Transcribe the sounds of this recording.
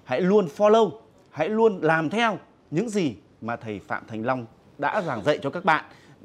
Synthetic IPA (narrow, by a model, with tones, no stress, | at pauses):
ha̰˧˥jlu˧ənfɔ˧lə˧w | ha̰˧˥jlu˧ənlaː˨˩mt̪ʰɛ˧w | ɲɨ̰˧˥ŋzi˨˩ | maː˨˩t̪ʰə˨˩jfa̰ː˧˨mt̪ʰa˨˩jŋ̟la˧wŋ͡m | ɗa̰ː˧˥zaː˨˩ŋzə̰˧˨jt͡ɕɔ˧kaː˦˥k̚ɓa̰ː˧˨n